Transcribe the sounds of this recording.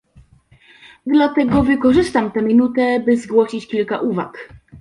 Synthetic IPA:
d̪lat̪ɛɡɔvɘkɔʐɘst̪amt̪ɛmʲinut̪ɛbɘzɡwɔɕit͡ɕkʲilka̰ʔuva̰k

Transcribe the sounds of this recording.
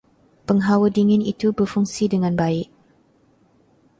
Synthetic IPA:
pəŋɦawədiŋɪnit̪ubərfuŋsidəŋãnbaɪʔ̚

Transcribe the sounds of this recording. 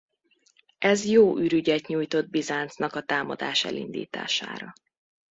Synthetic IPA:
ɛzjoːʔyɾyɟɛt̪ɲuːjt̪o̞d̪̚bizaːnt̪snɒkɒt̪aːmɒ̰d̪aːʃɛ̰lḭnd̪ḭːt̪a̰ːʃa̰ːɾɒ

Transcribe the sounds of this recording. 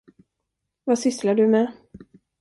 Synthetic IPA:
vasʏslaɖɵmɛ

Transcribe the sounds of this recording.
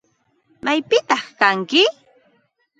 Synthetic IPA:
majpɪt̪ɑχkaŋkɪ

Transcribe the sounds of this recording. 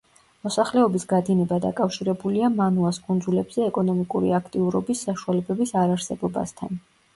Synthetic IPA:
mɔsaχlɛɔbisɡad̪inɛbad̪a̰kʼafʃiɾɛbuliamanuaskʼund̪zulɛbz̥ɛɛkʼɔnɔmikʼuɾḭakʰt̪ʼiuɾɔbisːaʃualɛbɛbisaɾaɾsɛbɔba̰st̪ʰa̰n

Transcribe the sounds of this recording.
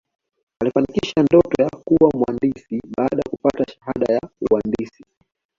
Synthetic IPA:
alifanikiʃandɔtɔjakuwamwandisiɓaːɗajakupataʃḁhaɗajauwandisi

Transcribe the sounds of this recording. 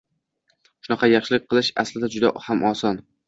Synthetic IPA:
ʃʊnɑqʰɑjɑχʃɪlɪk̚ʲqʰɨlˠɪʃaslɪd̪ad͡ʒʊd̪a̰hamʔɒsɒn

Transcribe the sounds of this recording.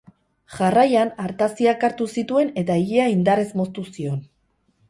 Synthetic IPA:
ʝarajanaɾt̪asiakaɾt̪usit̪ue̞ne̞t̪aeɣiaind̪aɾe̞zmo̞st̪usio̞n

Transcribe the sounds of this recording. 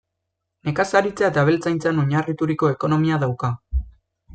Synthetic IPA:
ne̞kasaɾit͡seaet̪aβ̞e̞lt͡sajnt͡sanoɲarit̪uɾiko̞e̞ko̞no̞miaðawka

